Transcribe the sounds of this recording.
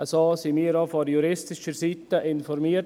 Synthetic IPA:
əsoːsimiːəɾɑfɔɾjuɾɪstɪʃəɾsit̪əʔɪnfɔɾmiə

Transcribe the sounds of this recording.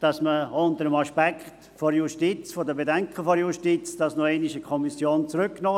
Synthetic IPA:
d̥ɑsməʊntəɾəmɑʃpɛkχt | foɾjuʃtit͡sfodəbedɛŋkʰχəfoɾjuʃtiːt͡sd̥ɑsnuɛɪnɪʃəkʰɔmisjoːnt͡sɾʏkːnoː

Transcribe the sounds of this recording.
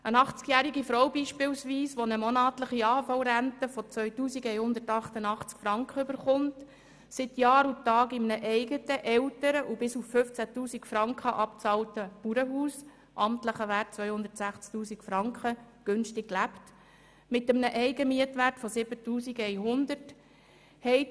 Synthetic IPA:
ənɑχt͡skjæːɾiɡifɾɔwbiːʃpɪwsʋiːsʋɔnəmɔnɑːtləχiɑːfɑlɾæntəfɔt͡sʋœʏtuːsiɡɛjhʊnd̪ətɑχtənɑχt͡skfɾɑŋkχəøbəɾχʊnt | sɪtjɑːɾutɑːɡɪmnəʔɛɪɡətəʔɛwtəɾəʔubɪsufːʏft͡sætuːsikfɾɑŋkχəʔɑpt͡sɑltəpuɾəɦuːs | ʔɑmt̪ləχəʋæːrtt͡sʋœʏhʊnd̪ətsæχt͡sk̚tuːsikfɾɑŋkχə | ɡ̥ʏnstɪkːlæpt | mɪtəmnəʔɛɪɡəmiətʋærtfɔsɪbətuːsiɡɛɪɦʊnd̪ərt | hɛɪ

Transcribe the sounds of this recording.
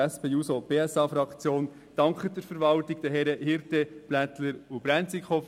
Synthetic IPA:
ɛspʰeːjuːsob̥eːɛsɑːfɾɑkt͡sjoːn | d̥ɑŋkχədəɾfəɾʋɑlt̪ɪɡ̥̚d̥̪əɦɛɾəhɪɾteb̥læt̪ləɾub̥ɾænt͡sikχɔf

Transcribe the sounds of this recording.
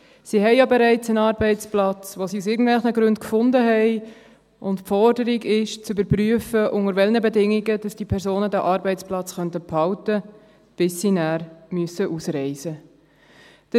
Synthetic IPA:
sihɛɪjɑbɛɾɛɪt͡sənɑːɾbɛɪt͡splɑt͡sʋosiusɪːɡən̩tvɛlχnəɡɾʉntkfʊndəɦɛɪ | ʊntpfɔɾdəɾiɡɪʃt͡sybəɾpryəfəʔʊŋəɾvɛlnəbedɪŋiɡəd̥ɑsd̥ipʰɛɾzoːnədæʔɑːɾbɛɪt͡splɑt͡sχœntəphɑʊtə | b̥ɪsːinæːɾmyəsəʔusɾɛɪzə | d̥ə

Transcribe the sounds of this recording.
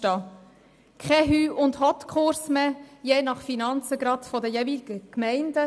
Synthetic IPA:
tɑ | kʰɛɦyːʔʊndhɔt̪kʰʊɾsmejeːnɑχfinɑnt͡səɡɾɑdfɔdəjevilɡ̥əkmæɪndə

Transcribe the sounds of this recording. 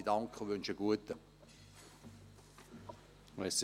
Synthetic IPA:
dɑŋkχəʋʏnʃəɡ̥uətə | ɛs

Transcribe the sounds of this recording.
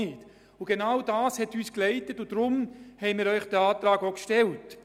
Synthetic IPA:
ɪːt | ʊɡ̥enawdɑːshɛtyːsklɛɪtətʊd̥ɾʊmhɛɪmiːɾœʏχd̥əaːt̪ɾɑːɡoʊkʃtɛlt

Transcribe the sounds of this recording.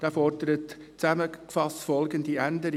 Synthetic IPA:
d̥æːfɔrdəɾət | t͡sæməkfɑstfɔlɡəndiændəɾ

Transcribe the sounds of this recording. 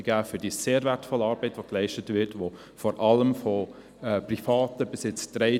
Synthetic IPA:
ɡ̥æːfʏd̥iːseːɾvɛɾtfɔlːəɑːɾbɛɪtʋoklɛɪʃtətʋɪɾtʋo | fɔɾʔɑləmfɔ | ɛprifɑːtəbɪsɪt͡sd̥ɾɛɪ

